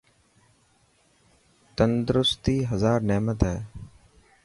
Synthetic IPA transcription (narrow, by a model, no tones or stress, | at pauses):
t̪ənd̪ɾʊst̪iːɦəzaːɾnɛːmət̪ɦɛː